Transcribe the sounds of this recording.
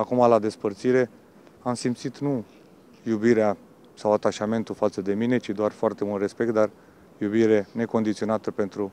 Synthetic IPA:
akumalad̪e̞spərt̪siɾe̞ | amsimpt̪sit̪nu | jubiɾea | sawat̪aʃame̞nt̪ufat̪səd̪e̞mine̞t͡ʃid̪oarfoart̪e̞mult̪re̞spek̚t̪̚d̪ar | jubiɾene̞ko̞nd̪it̪sio̞nat̪əpe̞nt̪ɾu

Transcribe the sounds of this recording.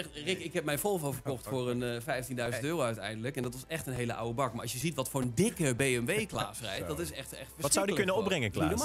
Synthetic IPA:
ɛrɪkɪhɛp̚mɛjnfolˠfofəɹkɔxtfʊərənfɛjftindœɥzəntøːroœɥtɛjndələkɛndɔtʋɔsɛxtənɦeːləʔa̰wəbɑkmaɹɑsjəzitʋɔtfʊːrəndɪkəbeːɛmʋeːkla̰ːsrɛ̰jtdɔtɪsɛxtɛ̰xtfəɹsssaɪwdiəkønənɔbrɛŋəlːn

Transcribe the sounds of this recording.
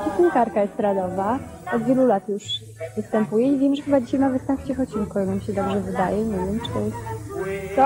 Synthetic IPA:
pʲɛsɲikaɾkajɛst̪ɾad̪ɔva | ɔd̪vʲjɛlulat̪juʂ | vɘst̪ɛmpujɛivʲjɛmʐɛxɘbad͡ʑiɕajmavɨst̪ɛmpt͡ɕɛxɔt͡ɕinkujɛnamʲiɕɛd̪ɔbʐɛvɘd̪ajɛɲɛvʲjɛmt͡ʂɛ | t̪ɔ

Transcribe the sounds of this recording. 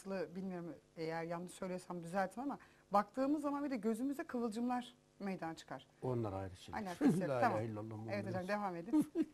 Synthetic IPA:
ɯlˠɯbilʲmijo̞ɾmejæɾjannɯʃsø̞jlʲijoɾsamd̪yzælʲt̪ʰinama | bak̚t̪ʰɯːmɯzːamanbid̪ɛɟø̞zymyzd̪ɛkʰavɯlˠd͡ʒɯmlˠaɾ̥ | mejd̪anat͡ʃʰɯ̥kʰaɾ̥onlˠa̰ɾa̰jɾɯʃɯa̰lʲaːkʰslːamahilːalˠːamevet̪ʰad͡ʒamd̪e̞vame̞d̪in

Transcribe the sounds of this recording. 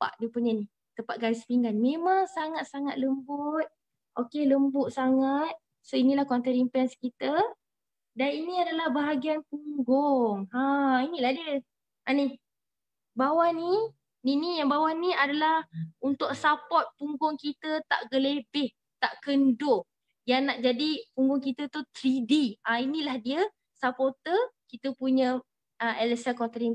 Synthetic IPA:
pa̰ʔdiəpuɲani | t̪əmpaʔ̪̚ɡalispiŋɡanmemaŋsaŋat̪̚saŋat̪̚ləmbʊt̪̚ | ʔokeləmbʊʔsaŋat̪̚ | soinilahkɔnt̪əɾimpɛnskit̪ə | daninĩadalahbaɦaɡianpuŋɡɔŋhãinĩladi | ani | bawani | ninijaŋbawaniadalahunt̪ʊk̚sapɔt̪̚puŋɡʊŋkit̪ət̪aʔɡəlebɪh | t̪aʔkəndʊ | jaŋnaʔd͡ʒadipuŋɡʊŋkit̪ət̪ut̪ɾidiainilahdiə | sapɔt̪əkit̪əpuɲə̃ | əɛləsəkɔnt̪ɾin

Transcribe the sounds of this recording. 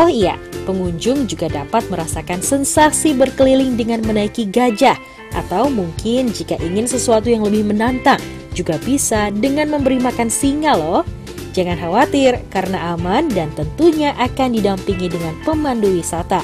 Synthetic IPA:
ɔhija̰pəŋuɲd͡ʒʊŋd͡ʒuɡadapat̪̚məɾasakansənsasibərkəlilɪŋdəŋanmənaikiɡad͡ʒah | ʔa̰t̪awmuŋkɪnd͡ʒikaʔiŋɪnsəsuat̪ujaŋləbɪhmənant̪aŋ | d͡ʒuɡabisadəŋanməmbəɾimakansiŋalɔh | d͡ʒaŋanɦawat̪ɪrkaɾənaʔamandant̪ənt̪uɲaʔakandidampiŋidəŋanpəmanduwisat̪a

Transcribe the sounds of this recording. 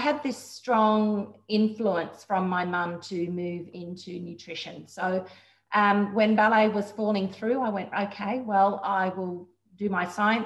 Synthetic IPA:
ɪɨd̪̚ðɪstɹ̥ɔ̃ŋɪ̃ɱfluə̃nsfɹʌ̃mːaɪmʌ̃mtʰɨmʉvɪ̃ntʰʉnjʉtʰɹ̥ɪʃɨ̃nsoʊ | ʔʌwɨ̃nbælˠeɪwʌz̥fɔlˠɪ̃ŋθɹʉaɪwɛ̃ntoʊkʰeɪwɛlˠaɪwɪlˠ | dɨmaɪsaɪɨ̃n

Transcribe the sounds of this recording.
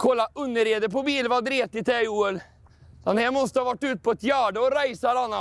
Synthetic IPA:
kʰɔlːaʔɵnd̪əɾeːd̪əpɔbiːlvad̪ɾeːt̪ɪt̪ʰɛuːɛl | d̥̪ɛnhæːɾmɔst̪əhɑvaʈːʉ̟ːt̪̚pʰɔɛt̪jæːɖəɔɾæɪsaɾanːa

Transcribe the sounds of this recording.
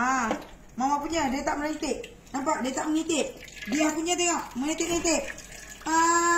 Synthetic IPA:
a | mamapuɲadiat̪aʔməɾaŋit̪ɪʔ̚ | nampaʔ̚dijat̪aʔməŋit̪ɪp̚ | diapuɲat̪̬eŋɔʔməŋit̪ɪp̚ŋit̪ɪp̚a

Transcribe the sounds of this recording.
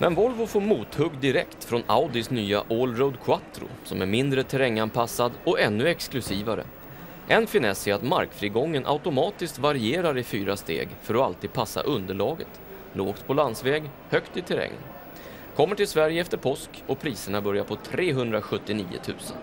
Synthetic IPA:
mʔɛ̰nvɔlvʊfoːɾmuːt̪hɵɡd̪ɪɾɛ̰kt̪fɾɔnaʊd̪ɪsnyːaʔolɾod̪kʰwat̪ɾʊ̰sɔmæɾmɪnd̪ɾət̪ʰɛɾɛŋːanpʰasːad̪ɔʔɛnːɵɛksklɵsiːvaɾə̰ | ʔɛnfɪnɛsɪat̪ma̰ɾkfɾiːɡɔŋːənʔa̰ʊt̪ʊmɑːt̪ɪskt̪vaɾɪeːɾaɾɪfyːɾast̪ḛːɡfœɾɔalt̪ʰiːd̪̚pʰasːa̰ʔɵnd̪əɭɑːɡə̰t̪ | loːɡt̪̚pʰɔlansvɛːɡ | hœkt̪ɪt̪ʰɛɾɛ̰ŋːə̰n | kʰɔmːəʈɪlsvæɾjəɛft̪əɾpʰɔskɔpʰɾiːsəɳabœɾjaɾpʰɔt̪ʰɾeːɦɵnd̪ɾaɧɵt̪ːɪniːʊ̰t̪ʰʉ̟̰ːsə̰n

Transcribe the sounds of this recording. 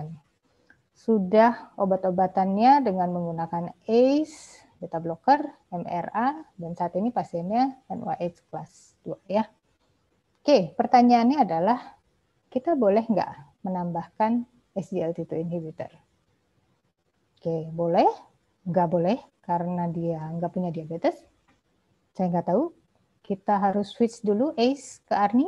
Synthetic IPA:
sudahobat̪obat̪anɲadəŋanməŋɡunakanejs | bet̪ablokər | ɛmɛ̰radansaːt̪inipasɛmɲadanṵa̰ʔet͡ʃklas | duaja | kepərt̪aɲaːnɲaːdalah | kit̪abolɛhŋɡa̰ʔmənambahkan | ɛsdiɛlt̪it̪ulinhibit̪ə̰r | kebolɛh | ŋɡaʔbolɛhkaɾənadiaŋɡaʔpuɲadiabet̪ɛs | sajaŋɡaʔt̪au | kit̪aɦaɾʊswɪt̪sduluʔejskəarni

